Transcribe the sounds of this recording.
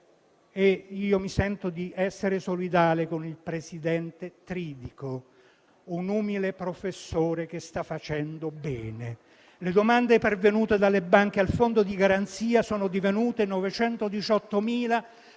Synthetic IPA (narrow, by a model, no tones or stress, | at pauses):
eiːomisɛnt̪od̪iʔɛsːeɾesolid̪aːlekonilpɾesid̪ɛnt̪et̪ɾiːd̪iko | unuːmilepɾofesːoːɾek̟est̪afːat͡ʃɛnd̪obɛːne | led̪omand̪epervenuːt̪ed̪alːebaŋk̟ealfond̪od̪iɡaɾant̪siːasoːnod̪ivenuːt̪enɔvet͡ʃɛnt̪od̪it͡ʃɔt̪ːomiːla